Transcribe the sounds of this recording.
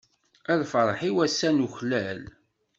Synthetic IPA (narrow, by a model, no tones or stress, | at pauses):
æðfəɾˤħiwæsːænuçlæl